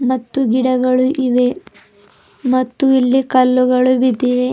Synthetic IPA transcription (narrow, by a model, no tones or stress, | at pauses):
mɐt̪ːuɡiɽɐɡɐɭuʔiʋe | mɐt̪ːuilːikɐlːuɡɐɭubid̪iʋe